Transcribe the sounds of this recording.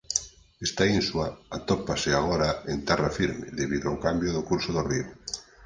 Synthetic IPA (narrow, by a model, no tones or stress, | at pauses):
ɛst̪ainswaat̪opasɪaɣ̞oɾaent̪ɛrafiɾmḛðeβiðoawkambjoðʊkuɾsoðorio